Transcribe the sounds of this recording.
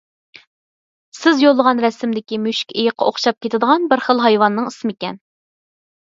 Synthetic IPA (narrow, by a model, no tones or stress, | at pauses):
sɪzjolˠːəʁɑnɾɛsɪmd̪ɪkʲimyʃkʲʰejɪqʰːɑ̰oχʃɑp̚kʲʰet̪ʰɪd̪əʁɑnbɪɾχəlˠɦɑjwɑnːɨŋismikʲɛ̰n